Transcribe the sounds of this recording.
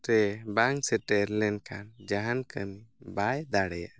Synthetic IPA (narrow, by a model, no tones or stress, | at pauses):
ɾɛbaŋsɛʈɛɾlɛnkʰand͡ʒaɦankənibajd̪aɽɛja̰